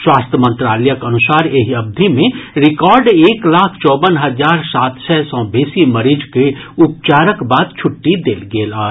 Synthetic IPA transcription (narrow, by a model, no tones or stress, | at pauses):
swaːst̪ʰjəmə̃nt̪ɾaːlɛjəkɐnʊsaːɾeɦiɐb̚d̪ʱimẽɾɪkɔːɾɖeːklaːkʰt͡ʃɔːbənɦɐzaːɾsaːt̪sʰɛsɔ̃ːbeːsimɐɾid͡ʒkeʊp̚t͡ʃaːɾəkbaːd̪̚t͡ʃʰʊʈːid̪eːlɡeːlaː